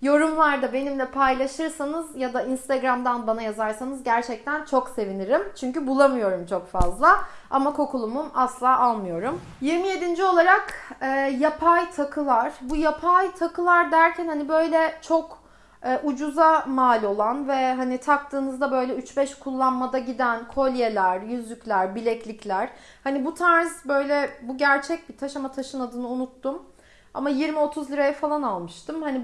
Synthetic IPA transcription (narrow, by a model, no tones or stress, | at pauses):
jo̞ɾumlˠaɾd̪abe̞nimlʲɛpʰajlˠaʃɯɾsanɯzjad̪ainst̪ʰaɡɾamd̪anbanajazaɾsanɯzɟæɾt͡ʃʰɛc̚t̪ʰænt͡ʃʰo̞kse̞viniɾimt͡ʃʰyɲcybulˠamɯjo̞ɾumt͡ʃʰo̞kfazlˠa | a̰makʰo̞kulˠumumaslˠaːʔalˠmɯjo̞ɾum | jiɾmije̞d̪ind͡ʒio̞lˠaɾakɛːjapʰajt̪ʰakʰɯlˠaɾ̥bujapʰajt̪ʰakʰɯlˠaɾd̪æɾcʰænhanibø̞jlʲɛt͡ʃʰo̞k | ɛʔud͡ʒuzamaːlʲo̞lˠanvɛɦanit̪ʰak̚t̪ʰɯːnɯzd̪abø̞jlʲɛyt͡ʃbɛʃkʰulˠːanmad̪aɟid̪ænkʰo̞lʲje̞lʲæɾjyzlʲycʲlʲæɾbilʲɛclʲiclʲæɾ̥ | hanibut̪ʰaɾz̥bø̞jlʲɛbuɟæɾt͡ʃʰɛc̚bit̪ʰaʃamat̪ʰaʃɯnad̪ɯnɯunut̪ːum | a̰majiɾmio̞t̪ʰuzlʲiɾajɛfalˠanalˠmɯʃt̪ʰɯmhani